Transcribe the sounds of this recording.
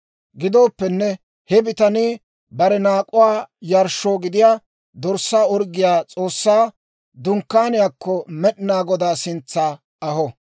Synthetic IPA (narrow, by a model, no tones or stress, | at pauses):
ɡɪd̪oːpːɛnːɛ | hɛbɪt̪ɐniː | bɐɾɛnaːkʼʊwaːjɐɾʃoːɡɪd̪ɪjaː | d̪ɔɾsːaːɔɾɡɪjaːt͡sʼo̞ːsːaː | d̪ʊŋkːaːnɪjaːkːɔmɛɗɪnaːɡɔd̪aːsɪnt͡sːaː | ɐhɔ